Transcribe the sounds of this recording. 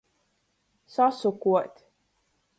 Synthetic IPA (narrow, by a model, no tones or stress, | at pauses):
sɔsukuɔt̪ʲ